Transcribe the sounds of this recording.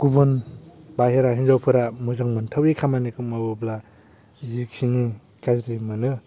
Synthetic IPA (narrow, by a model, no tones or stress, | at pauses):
kubɯnbaɦeɾaɦinzawpʰɯɾamuzaŋmɯntʰawekʰamanikɯmabɯbla | ziksiŋi | kazɾimɯnɯ